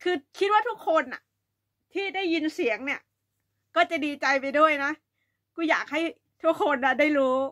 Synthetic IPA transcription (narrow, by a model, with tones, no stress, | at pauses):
kʰɯː˧kʰi˦˥t̪̚waː˥˩t̪ʰu˦˥kʰːo˧nːa˨˩ | t̪ʰiː˥˩da˥˩jːi˧nsi˨˩˦əŋni˥˩ɐ | kɔː˥˩t͡ɕa˨˩diː˧t͡ɕa˧jpa˧jdu˥˩əjna˦˥ | kuː˥˩jaː˨˩k̚ha˥˩j | t̪ʰu˦˥˩əkʰo˧nːa˧˩daː˥˩jɾuː˦˥